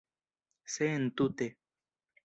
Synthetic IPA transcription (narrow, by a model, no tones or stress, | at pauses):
sent̪ut̪e